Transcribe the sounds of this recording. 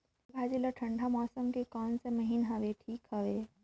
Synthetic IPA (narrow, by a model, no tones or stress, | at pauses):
bʱaːd͡ʒilɐʈʰɐ̃ɳɖʱamɔːsəmkekaːnsemɐɦinɦɐʋeːʈʰiːkhɐʋeː